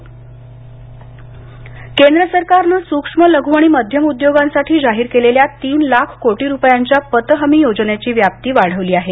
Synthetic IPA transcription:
kend̪ɾəsəɾkaɾnəːsukʂmələɡʱuaɽ̃iːməd̪ʱjəmud̪joɡansaʈʰiːd͡zaɦiɾkeleljat̪iːnlakʰkoʈiːɾupjaɲt͡ɕjapət̪əɦəmiːjod͡zɳjat͡ɕiːʋjap̚t̪iːʋaɽ̤əʋliːaɦe

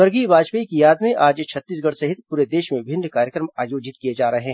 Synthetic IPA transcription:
ɐɾɡibaːd͡ʒpəikijaːd̪mẽʔaːd͡ʒt͡ʃʰɐt̪ːiːs̬ɡɐɽsɐɦɪt̪puːɾed̪eːʃmẽbʱɪ̃nːkaːɾjəkɾəmaːjoːd͡ʒɪt̪̚kijed͡ʒaːɾɐɦeɦɛː

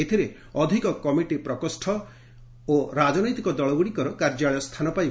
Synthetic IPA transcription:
et̪ʰiɾe | ɔd̪ʱikɔkɔmiʈipɾɔkɔsʈʰɔ | oɾad͡ʒɔnɔjt̪ikɔd̪ɔɭɔbuɽikɔɾɔkaɾd͡ʒaɭjɔst̪ʰanɔpaj

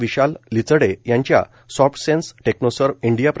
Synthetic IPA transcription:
ʋiɕalːit͡sɽejãɲt͡ɕja̰ | sɔfʈsensʈeknosəɾʋiɳɖijapɾ

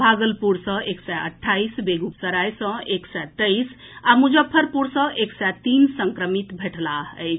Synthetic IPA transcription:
bʱaɡəlpuɾsə̃eksɛə̰ʈʰːaisbeɡupsəɾajsə̃eksɛt̪əis | amud͡ʒəpʰːəɾpuɾsə̃ʔeksɛt̪insəŋkɾəmit̪bʱeʈʰlaəjt͡ʃʰ

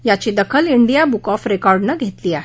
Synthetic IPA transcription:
jat͡ɕid̪əkʰəliɳɖijabukɔfɾekɔɾɖnəɡʱet̪liːaɦe

